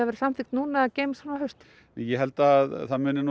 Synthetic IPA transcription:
aðvɛɾ̥samfɪkt̪nuːnaceːjmsanahœɥst̪ | nɛjɛɦɛlt̪aðθaðmʏːnːɪn

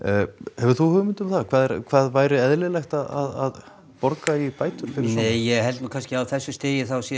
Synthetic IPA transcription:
hɛvʏɾ̥θuhʏːʏmɪnt̪ʏmθakʰvaːðɛɾkʰvaːðvaːjɾɪɛðlɪlɛxt̪aða̰ða̰ð | pɔɾkaipaːjt̪ʏɾ̥fɪɾɪneːjːɛɣɦɛlt̪nukʰanscɪawθɛsːʏst̪eːjɪθawsjɛ

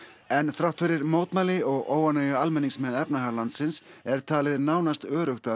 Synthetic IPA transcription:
ɛnθɾawht̪fɪɾɪɾmoːwt̪malɪɔɣoːwanɛːjʏalmɛnːiŋsmɛðɛpnaɦaɣlant̪sɪnsɛɾ̥t̪ʰaːlɪðnaːwnast̪œːɾʏxt̪a

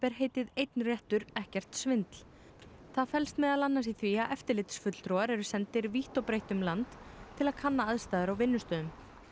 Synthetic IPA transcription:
pɛɾ̥ɦeːjt̪ɪðejt̪nrjɛht̪ʏɾɛhcɛr̥t̪svɪnt̪l̥ | θaðfɛlst̪mɛðaðlanːasiθviaʔɛft̪ɪɾlɪːt̪sfʏt̪l̥t̪ɾɔːaɾɛɾʏsɛnt̪ɪɾviht̪ɔwpɾejht̪ʏmlant̪ʰːɪlaðkʰanːaaðst̪aːjðʏɾawvɪnːʏst̪œːðʏm

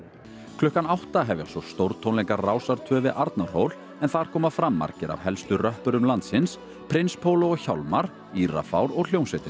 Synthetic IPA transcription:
kʰlʏhkanawht̪aɦɛvja̰sɔst̪owɾt̪t̪ʰownlɛjŋkaraːwsaɾ̥t̪ʰœːvɪʔaɾt̪naɾ̥hoːwl | ɛnθaðɾ̥kʰɔːmafɾamːa̰ɾcɪɾa̰vhɛlst̪ʏrœhpʏɾʏmlant̪sɪns | pʰɾɪnspʰowloɔɣçawlmaɾ | iːra̰fa̰wɾɔɣl̥jownsɛt̪ɪ

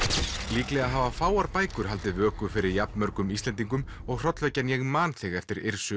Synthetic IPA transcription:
liːklɛɣaɦavafaːwaɾpaːjkʏɾ̥ɦalt̪ɪvœːkʏfɪɾɪɾjapnmœɾkʏmist̪ɛnt̪iŋk̬ʏm | ɔɣr̥ɔt̪lvɛcanjɛɣmaːnθɪɣɛft̪ɪɾɪɾ̥sʏ

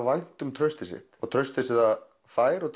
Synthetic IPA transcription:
vajn̥t̪ʏmt̪ʰɾœɥst̪ɪsɪ̰ht̪ɔɣt̪ʰɾœɥst̪ɪsɪða | faːjɾɔɣt̪ʰ

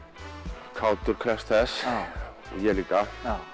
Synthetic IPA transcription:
kʰaːwt̪ʏɾ̥kʰɾɛst̪ʰɛs | jɛliːka

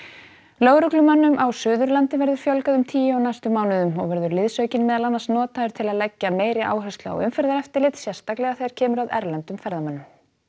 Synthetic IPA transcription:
loːwɾʏklʏmanːʏmʔawsʏːðʏɾlant̪ɪvɛɾðʏɾ̥fjɔlkaðʏmt̪ʰiːjɪawnajst̪ʏmaːwnɪðʏmɔ̰ɣvɛɾðʏɾlɪðsœːɥcɪnmɛːðalanːḁsnɔːt̪aðʏɾ̥t̪ʰɪlaðlɛcːameːjɾɪʔa̰ːwɦœst̪laa̰wʏmfɛɾðaɾɛft̪ɪɾlɪt̪sjɛr̥st̪aklɛɣaθejɾ̥cʰɛːmʏɾaðɛ̰ɾlɛnt̪ʏmfɛɾðamanːʏm

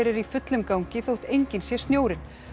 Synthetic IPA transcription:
ɾɪɾifʏt̪lʏmkawɲcɪθowht̪ejɲcɪnsjɛst̪njoːwɾɪn

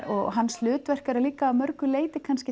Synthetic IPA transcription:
ɔɣɦanːslʏːt̪vɛr̥kaɾaliːkaːmœɾkʏleːjt̪ɪkʰanscɪ

